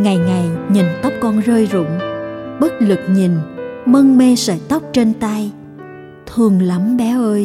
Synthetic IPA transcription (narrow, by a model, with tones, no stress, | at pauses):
ŋa˨˩jŋa˨˩jɲi˨˩nt̪ə˦˥k͡p̚kɔ˧nzəː˧jzʊ̰˧˨ŋ͡mɓə˦˥t̚lɨ˨˩k̚ɲi˨˩nmə˧ŋme˧sə̰ː˧˩jt̪ə˦˥wk͡p̚t͡ɕe˧nt̪a˧j | t̪ʰɨ˨˩əŋla˨˦mɓɛ˨˦ʔəː˧j